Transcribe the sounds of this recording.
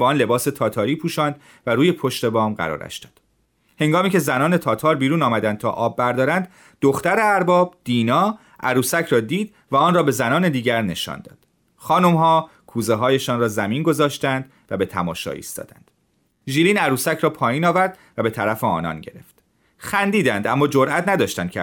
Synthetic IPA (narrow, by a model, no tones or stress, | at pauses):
bɛɒːnle̞bɒːse̞t̪ʰɒːt̪ʰɒːɾipʰuːʃɒːnd̪ | væɾuːje̞pʰoʃt̪e̞bɒːmɢæ̰ɾɒ̰ːɾæ̰ʃd̪ɒ̥ːd̪̥ | he̞ŋɡɒːmiːcʰe̞zænɒːne̞t̪ʰɒːt̪ʰɒːɾbiːɾuːnɒːmæd̪ænd̪̚t̪ʰɒ̰ːʔɒːbːæɾd̪ɒːɾænd̪ | d̪oxt̪æɾeæɾbɒːbd̪̥iːnɒː | ʔæɾuːsæcʰɾɒːd̪iːd̪ | væɒːnrɒːbe̞zænɒːne̞d̪iːɟæɾne̞ʃɒ̰ːnd̪ɒ̰ːd̪̥ | χɒːnomɦɒː | kʰuːzeɦɒːjeʃɒːnrɒːzæmiːnɡo̞zɒːʃt̪ænd̪ | væbe̞t̪ʰæmɒːʃɒ̰ːḭːst̪ɒ̰ːd̪æ̰nd̪̥ | ʒiːliːnæɾuːsæcʰɾɒːpʰɒːjiːnɒːvæɾd̪ | væbe̞t̪ʰæɾæfeɒ̰ːnɒ̰ːnɟe̞ɾe̞̰ft̪ | xænd̪iːd̪ænd̪æmːɒːd͡ʒoɾʔæt̪ʰnæd̪ɒːʃt̪ænd̪̚cʰe